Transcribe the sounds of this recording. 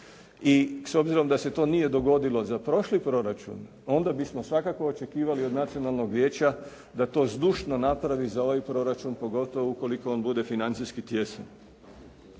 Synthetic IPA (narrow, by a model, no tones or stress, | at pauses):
iso̞bziɾo̞md̪ase̞t̪o̞ːnije̞d̪o̞ɡo̞d̪ilo̞zapɾo̞ʃlipɾo̞ɾat͡ʃṵn | o̞nd̪abismo̞sʋakako̞ːt͡ʃe̞kiːʋaliod̪nat̪sio̞nalˠno̞ɡʋje̞ːt͡ɕa | d̪at̪o̞ːzd̪uːʃno̞napɾaʋizao̞ʋajpɾo̞ɾat͡ʃunpo̞ɡo̞t̪o̞ʋouko̞liko̞onbud̪e̞finant̪sijskit̪je̞san